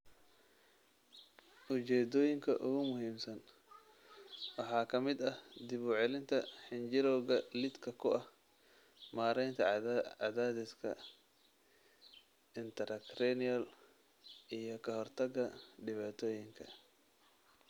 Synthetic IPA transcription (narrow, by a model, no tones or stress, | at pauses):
ʔʊt͡ʃɛːd̪ɔːjɪŋkʰɐ̰ʔʊɣʊmʊɦiːmsɐn | wɑħɑːkʰɐmɪd̪ɐhd̪ɪβuːʕɛlɪnt̪ʰɐħɪnt͡ʃɪɾɔːɣɐlɪd̪kʰɐkʰʊʔɐh | maːɾɛjnt̪ʰɐɑðaːd̪ɪskʰɐ̰ | ɪnt̪ʰɛɾɐkrɛniɐl | ʔijɞkʰɐɦɔrt̪ʰɐɡɐɖɪβaːt̪ʰɔːjɪŋkʰɐ̰